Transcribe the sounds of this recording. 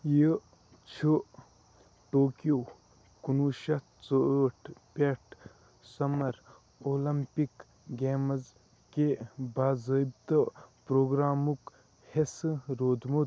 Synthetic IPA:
jə | t͡ʃʰu | ʈoːkjo | kunuʃɐt̪t͡soəːʈʰpeʈʰ | sɐmɐɾ | oːlɐmpik | ɡeːmɐz | kebaːzəib̚t̪əpɾoːɡɾaːmuk | hesɾoːd̪mu

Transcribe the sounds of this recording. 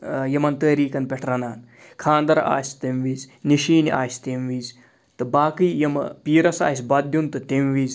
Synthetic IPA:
jɐmɐnt̪əːɾiːkɐnpʲeʈʰɾɐnaːn | kʰaːnd̪ɐɾa̰ːsʲt̪emʋiːzʲniʃiːniʔa̰ːsʲt̪emʋiːzʲ | t̪ɨbaːkɨjjɐmɐ̰piːɾɐsa̰ːsʲbɐd̪junt̪ɨt̪emʋiːz

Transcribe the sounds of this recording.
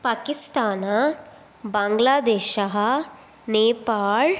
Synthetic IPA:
paːkɪst̪aːna | bãːŋɡlaːd̪eːʃɐɦɐ | neːpaːl

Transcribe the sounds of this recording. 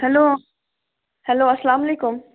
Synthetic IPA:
hɛloː | hɛloːɐslaːmɐleːkʊm

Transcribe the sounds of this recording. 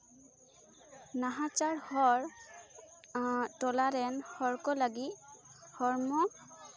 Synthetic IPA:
naɦat͡ʃaɹhɔɹ | tɔlaɹɛnhɔɹkɔlaɡihɔɹmɔ

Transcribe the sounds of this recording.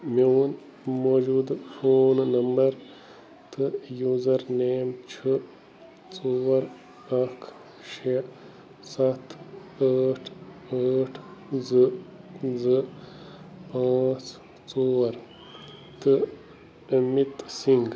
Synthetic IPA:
moːn | moːd͡ʒuːd̪foːnnɐmbɐɾ | t̪ɨjuːzɐɾneːmt͡ʃʰə | t͡soːɐɾ | ɐkʰ | ʃe | sɐt̪ʰaːʈʰaːʈʰzɨ | zɨ | pãːt͡s | t͡soːʋɐɾ | t̪ɨ | mit̪siŋɡ

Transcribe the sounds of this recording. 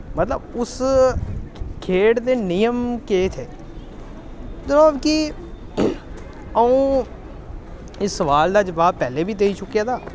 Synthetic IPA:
mət̪ləbʊs | kʰeːɽd̪eːnɪjəmkeːt̪ʰeː | d̪ənaːbki | əũː | ɪsːəʋaːld̪aːd͡ʒəʋaːb̚pɛːleːbʱiːd̪eːiːt͡ʃʊkijaːd̪aː

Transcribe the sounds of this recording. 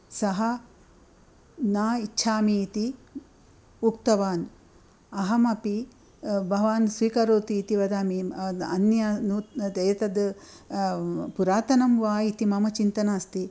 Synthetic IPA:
sɐɦɐ | naːitːʃʰaːmiːt̪i | uk̚t̪ɐʋaːn | ɐɦɐmɐpi | bʱɐʋaːnsʋiːkɐɾoːt̪iːt̪iʋɐd̪aːmiɐnjaːnuɐjɐt̪ɐd̪ | puɾaːt̪ɐnɐmʋaːit̪imɐmɐt͡ʃint̪ɐnaːst̪i

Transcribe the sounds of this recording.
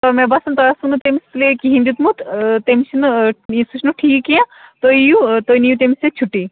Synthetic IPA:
t̪ɔmebasɐnt̪ɔjasunut̪emislekiɦĩnd̪ut̪mut̪t̪emisinuĩsuʃnuʈʰiːkkijãt̪oijut̪oinijut̪̬emislet͡ʃʰuʈːi

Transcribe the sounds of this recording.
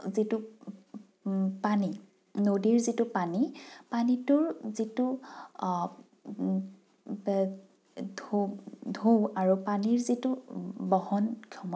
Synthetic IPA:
zitu | pani | nodiɹzitupanipanitʊɹzitu | dodʱoaɹupaniɹzitubɔhɔnkʰɔmɔ

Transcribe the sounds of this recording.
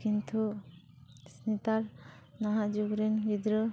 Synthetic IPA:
kint̪ʰu | snit̪aɾ | naɦãd͡ʒuɡɾenbid̪ɾɯ

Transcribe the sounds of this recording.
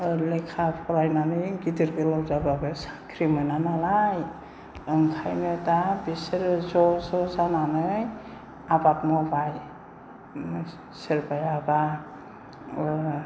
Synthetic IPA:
lekʰapʰɔɾajnanɯjɡidiɾɡɯlɔwzababɯsḁkʰɾimɯjnanalaj | ɯŋkʰajnɯtabiseɾzɔsɔzananɯj | abatmɔbaj | seɾpajaba

